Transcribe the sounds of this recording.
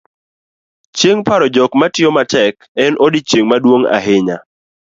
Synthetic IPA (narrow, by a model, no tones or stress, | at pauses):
t͡ʃjeŋpaɾɔd͡ʒɔkmatɪjɔmatɛk | ɛnʔɔdit͡ʃjeŋmadwoŋa̰ɦɪɲa